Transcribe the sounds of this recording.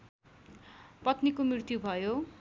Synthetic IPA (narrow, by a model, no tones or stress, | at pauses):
pʌt̪nikomirt̪jubʱʌjo